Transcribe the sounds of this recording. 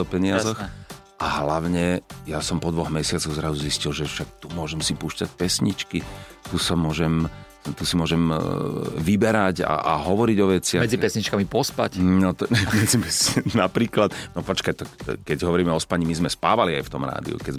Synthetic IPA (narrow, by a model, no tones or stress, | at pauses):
ɔpɛɲɪazɔx | ʔaɦlaʊɲɛjasɔmpɔd̪ʋɔɣmɛsɪat͡sɔɣzɾazuziscilʒɛfʃak̚t̪umʊɔʒɛmsipuːʃcac̚pɛsɲit͡ʃkit̪usamʊɔʒɛm | t̪usimʊɔʒɛm | ʋibɛɾaɟa̰ʔaɦɔʋɔɾiɟɔʋɛt͡sɪamɛd͡zipɛsɲit͡ʃkamipɔspacnɔt̪mɛd͡zimɛsnapɾiːklat̪nɔpɔt͡ʃkajt̪ɔkɛɟɦɔʋɔɾiːmɛɔspaɲimizmɛspaːʋaliajft̪ɔmɾa̰ːd̪ḭṵkɛz